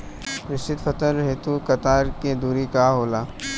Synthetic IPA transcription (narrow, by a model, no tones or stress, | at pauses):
ɾɪst̪ɪt̪fʰɐt̪əɾɦeːt̪ukɐt̪aːɾked̪uːɾikaɦoːlaː